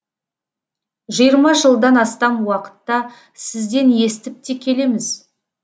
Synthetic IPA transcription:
ʒijəɾmɑʒəlˠd̪ɑnɑst̪ɑnwɑqə̥t̪ːɑ | sɪzd̪e̞nje̞st̪ɪp̚t̪e̞kʲʰe̞le̞mɪz

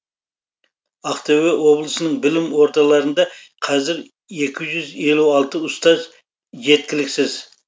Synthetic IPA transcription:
ɑqt̪awewo̞blˠəsənəɴbɪlɪmwo̞ɾt̪ɑlˠɑɾənd̪ɑ | qʰɑzɪɾ | e̞kʲʰɪʒʏze̞luɑlˠt̪əʊst̪ɑz | ʒe̞t̪̚kʲɪlɪksɪz

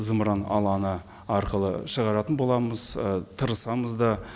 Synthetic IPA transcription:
zəmɾɑnɑ̰lˠɑnə | ɑɾqəlˠə̰ʃəʁɑɾɑt̪ənbo̞lˠɑməzət̪ʰəɾəsɑməzd̪ɑ

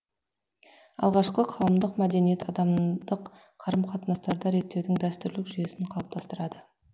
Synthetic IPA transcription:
ɑ̰lˠʁɑʃqəqʰɑwəmd̪əqmæd̪e̞nijet̪ɑd̪ɑmd̪əqːʰ | ɑɾəmqʰɑt̪ənɑst̪ɑɾd̪ɑɾe̞t̪ːewd̪ɪŋd̪æst̪ʏɾlɪkʒʏje̞sɪɴqʰɑlˠəp̚t̪ʰɑst̪əɾɑd̪ə

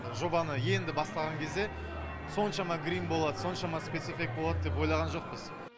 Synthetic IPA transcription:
ʒo̞bɑnəje̞nd̪ɪbɑst̪ɑʁɑŋkʲʰe̞zd̪e̞ | so̞nʃɑmɑɡɾimbo̞lˠɑd̪ə̥so̞nʃɑmɑspʲe̞t̪sifʲik̚bolˠɑd̪əd̪e̞p̬o̞jlˠɑʁɑnʒo̞q̚pəz

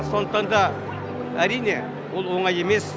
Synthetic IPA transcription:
so̞nəq̚t̪ɑnd̪ɑ | æɾijne | wolˠwo̞ɴɑje̞me̞s

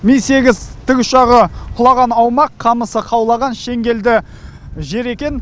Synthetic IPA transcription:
mijse̞ɡʲɪzt̪ʰɪkʲʏʃɑʁəqʰʊlˠɑʁɑnɑwmɑqʰːɑməsəqʰɑwlˠɑʁɑnʃe̞ŋɡʲe̞ld̪ɪ | ʒe̞ɾe̞kʲe̞n

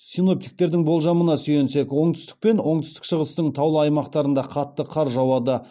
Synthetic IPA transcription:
sino̞p̚t̪i̥k̚t̪e̞ɾd̪ɪŋbolˠʒɑmənɑsʏjensekwo̞ɴt̪ʏ̥st̪ɪ̥k̚pe̞nwo̞ɴt̪ʏ̥st̪ɪ̥kʃəʁəst̪əɴt̪ʰɑwlˠəɑjmɑqt̪ɑɾənd̪ɑqʰɑt̪ːəqʰɑɾʒɑwɑd̪ə

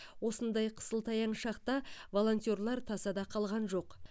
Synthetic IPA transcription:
wo̞sənd̪ɑjqʰə̥səlˠt̪ʰɑjɑɴʃɑqt̪ɑvo̞lˠo̞nt̪ʲjo̞rlˠɑɾt̪ʰɑsɑd̪ɑqʰɑlˠʁɑnʒo̞q

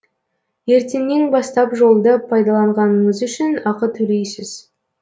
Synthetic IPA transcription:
je̞ɾt̪enme̞ŋbɑst̪ɑpʒo̞lˠd̪əpʰɑjd̪ɑlˠɑɴʁɑnəɴəzʏʃɪnɑqət̪ʰɵle̞jsɪz̥

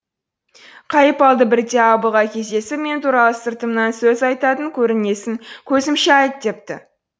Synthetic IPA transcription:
qʰɑjəpɑlˠd̪əbɪɾd̪e̞ɑbəʁɑkʲʰe̞zd̪e̞sɪpme̞nt̪ʰuɾɑlˠəsɪɾt̪əmnɑnsɵzɑjt̪ɑt̪əŋkʲʰɵɾɪne̞sɪŋkʲʰɵzɪmʃeɑjt̪̚d̪e̞p̚t̪ɪ̰

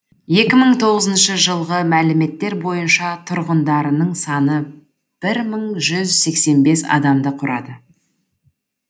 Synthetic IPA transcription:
je̞kʲɪməɴt̪ʰo̞ʁəzənʃəʒəlˠʁəmælɪme̞t̪ːe̞ɾbo̞jənʃɑt̪ʰʊɾʁənd̪ɑɾənəɴsɑnə | b̥ɪɾməɴʒʏzse̞kse̞nbe̞sɑ̰d̪ɑmd̪əqʰʊɾɑ̰d̪ə

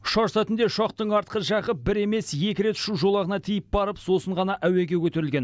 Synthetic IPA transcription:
ʃɑʒsɑt̪ɪnd̪e̞ʃɑqt̪əɴɑɾt̪̚qəʒɑʁəp̚bɪɾe̞me̞sje̞kʲɪɾe̞t̪ʃuʒo̞lˠɑʁənɑt̪ʰijɪp̚bɑɾəpso̞səɴʁɑnɑʔæweɡʲe̞kʲʰɵt̪e̞ɾɪlɡʲe̞n

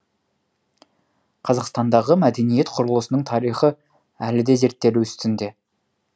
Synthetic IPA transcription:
qʰɑzɑqst̪ɑnd̪ɑʁəmæd̪e̞nije̞t̪qʰʊɾəlˠəsənəɴt̪ʰɑɾijχə | ælɪd̪e̞ze̞ɾt̪ːe̞luʏst̪ɪnd̪e̞

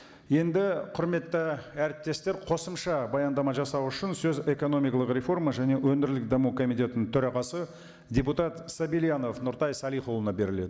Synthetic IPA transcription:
je̞nd̪ɪqʰʊɾme̞t̪ːɪæɾɪp̚t̪e̞st̪e̞ɾqʰo̞səmʃɑbɑjɑnd̪ɑmɑʒɑsɑwʏʃɪnsɵze̞ko̞no̞mijkɑlˠəqɾʲe̞fo̞rmaʒæne̞wɵndɪɾlɪk̚d̪ɑmukʰo̞mijt̪ʲe̞t̪ɪnɪt̪ʰɵɾɑʁɑsə | dʲeput̪ɑt̪sabilijano̞fnʊɾt̪ɑjsɑlˠijχolˠənɑbe̞ɾɪle̞d̪ɪ

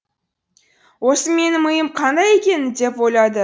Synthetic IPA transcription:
wo̞səme̞nɪmʊjəmqʰɑnd̪ɑje̞kʲe̞nɪd̪e̞pwo̞jlˠɑd̪ə

